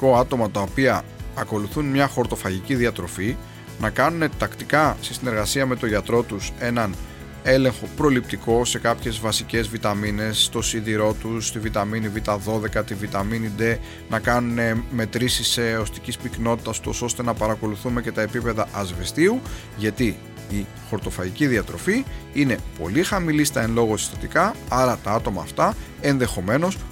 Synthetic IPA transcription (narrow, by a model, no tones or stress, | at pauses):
ko̞ɐt̪o̞mɐt̪ɐopiɐːko̞luθunmɲɐxo̞ɾt̪o̞fɐʝiciðiɐt̪ɾo̞fi | nɐkɐnune̞t̪ɐkt̪ikɐsesine̞ɾɣɐsiɐme̞t̪o̞ʝɐt̪ɾo̞t̪use̞nɐn | e̞le̞ŋxo̞pɾo̞lip̚t̪iko̞se̞kɐpçe̞zvɐsice̞zvit̪ɐmine̞st̪o̞sinðiɾo̞t̪ust̪ivit̪ɐminivit̪ɐðo̞ðe̞kɐt̪ivit̪ɐminid̪e̞ | nɐkɐnune̞me̞t̪ɾisiseost̪icispikno̞t̪i̥t̪ɐsot̪o̞so̞st̪e̞nɐpɐɾɐko̞luθume̞ce̞t̪ɐe̞pipe̞ðɐʔɐzvest̪iu | ʝɐt̪i | i | xo̞ɾt̪o̞fɐiciðiɐt̪ɾo̞fiine̞po̞̰lixɐmilist̪ɐenlo̞ɣosi̥st̪ɐt̪ikɐɐɾɐt̪ɐɐt̪o̞mɐ̰ːft̪ɐ | e̞nðe̞xo̞me̞no̞s